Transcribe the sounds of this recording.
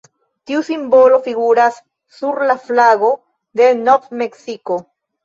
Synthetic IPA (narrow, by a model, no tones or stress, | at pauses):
t̪iusimbolofiɣuɾasː | uɾlaflaɣo | ðenoθmeksiko